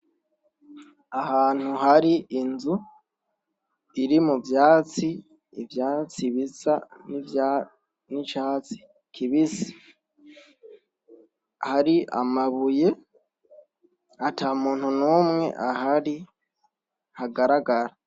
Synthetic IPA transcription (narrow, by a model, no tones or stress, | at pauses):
ahaːn̥huɦaɾiinzu | iɾimuvjaːt͡si | ivjaːt͡siβit͡sani | nit͡ʃaːt͡si̥ | kʰiβisi̥ | haɾia̰maβuje̞ | atʰamuːn̥hunuːmŋe̞̰ʔahaɾi | haɡaɾaɡaɾa